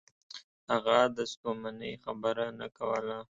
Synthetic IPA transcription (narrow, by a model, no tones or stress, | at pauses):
haɣad̪əspomanəjxabəɾana̰kawəla